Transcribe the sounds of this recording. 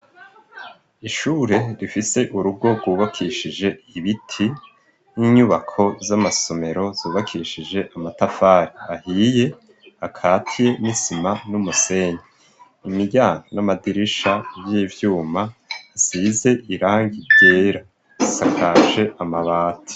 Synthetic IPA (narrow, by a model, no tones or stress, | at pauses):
iʃuːɾe̞ɾifise̞ʔuɾub̚ɡo̞ɡuːβakʰiʃid͡ʒe̞iβitʰi | niɲuβakʰo̞zamaso̞me̞ɾo̞zuːβakʰiʃid͡ʒe̞ʔamatafaːɾiahiːje̞ | akʰaːtʰije̞nisimanumuse̞ɲa | imiɟaːŋonamadiɾiʃaβjiːvjuːmasize̞ʔiɾaːŋɡibɟe̞ːɾa | sakʰaʒe̞ʔamaβaːtʰi̥